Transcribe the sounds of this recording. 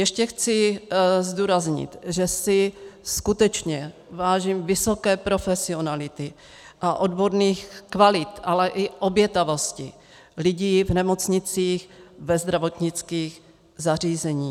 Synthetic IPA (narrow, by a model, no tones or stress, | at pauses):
jɛʃcɛxt͡sɪzd̪uːɾazɲɪ̰t̪ʒɛsɪskut̪ɛt͡ʃɲɛ | vaːʒiːmvɪso̞kɛːpɾo̞fɛsɪo̞nalɪt̪ɪ | ʔaʔo̞d̪bo̞ɾniːxkvalɪt̪alɛʔɪʔobjɛt̪avo̞scɪ | lɪɟiːvnɛmot͡sɲɪt͡siːxvɛzd̪ɾavot̪ɲɪt͡skiːx | zar̝iːzɛɲiː